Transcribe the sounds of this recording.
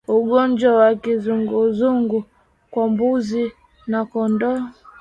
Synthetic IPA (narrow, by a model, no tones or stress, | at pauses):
uɡɔɲd͡ʒwawakizuŋɡuzuŋɡu | kwambuzi | nakɔndɔ